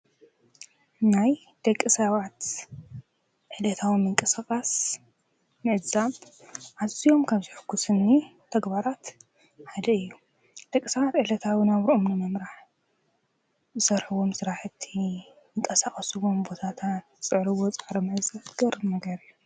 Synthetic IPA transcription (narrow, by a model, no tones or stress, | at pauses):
naj | d̪̥ɐkʼːɨsɐβat̪ | ʕɨlɐt̪ʰawimɨŋkʼɨsaχʼas | mɨʔzaβ | ʔazijo̞mkʰaβzɨħɨkʰːusɨnːit̪ʰɐɡbaɾat̪ | ħad̪ɐɨjːu | d̪̥ɐkʼːɨsɐβat̪ʕɨʕlɐt̪ʰawinaβɾʔomnɨmɐmɾaħ | zɨsɐɾħɨwo̞msɨɾaħɨt̪ʰːi | ɨŋkʼɐsaχʼɐsɨwo̞mbo̞t̪ʰat̪ʰat̪ɨsʼɨʕɾɨwot͡sʼaʕɾɐmɨʔzaβt̪ʰɨɡɐɾɨnɐɡɐɾɨjːu